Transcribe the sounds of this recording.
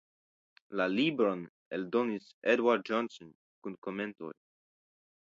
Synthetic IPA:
lalibɾon | eldo̞nisedwaɾt̚d͡ʒonson | kunko̞me̞nto̞̰j

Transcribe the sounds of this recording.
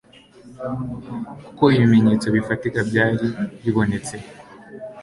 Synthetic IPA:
kkukoiβimeɲet͡so̞βifatikabɟaːɾiβiβo̞ne̞t͡se̞

